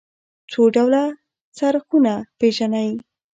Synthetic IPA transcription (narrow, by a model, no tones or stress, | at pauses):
t͡soɖawla | t͡saɾxunapeʒanawi